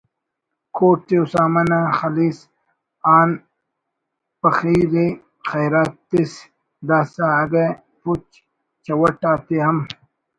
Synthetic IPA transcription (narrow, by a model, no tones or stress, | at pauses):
koːʈːiusaːmɐnaxɐlis | aːn | pɐxiːɾi | xɐjɾaːt̪ːis | d̪aːsaːɡe | put͡ʃ | t͡ɕɐwɐʈaːt̪eɦɐm